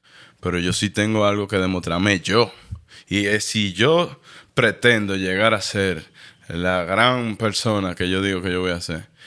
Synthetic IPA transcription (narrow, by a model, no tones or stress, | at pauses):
pe̞ɾo̞ʝo̞sit̪e̞ŋɡo̞alɣo̞ke̞ðe̞mo̞st̪ɾaɾme̞ʝoiesiʝopɾe̞t̪ẽ̞nd̪o̞ʝe̞ɣaɾase̞ɾlaɣɾaŋpe̞ɾso̞nake̞ʝo̞ðiɣo̞ke̞ʝo̞βo̞jaːse̞ɾ